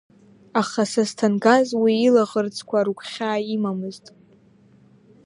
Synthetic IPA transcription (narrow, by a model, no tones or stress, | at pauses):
aχasaztʰanɡazwiːlaʁərt͡sʰʼkʷʰaɾukʷʰʼχʲaːimamɨztʼ